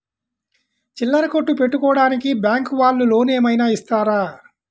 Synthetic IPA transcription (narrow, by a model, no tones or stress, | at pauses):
t͡ʃilːɐɾɐkoʈːupe̞ʈːukɔːɽaːnikibjaːŋkʋaːɭːulo̞ːneːmɐjnaːist̪aːɾaː